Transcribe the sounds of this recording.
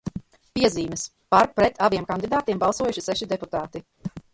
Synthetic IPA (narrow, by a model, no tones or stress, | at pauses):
piɛziːmɛs | paɾpɾɛt̪ʰaviɛmkand̪id̪aːt̪iɛmbalˠsuɔjuʃisɛʃid̪ɛput̪aːt̪i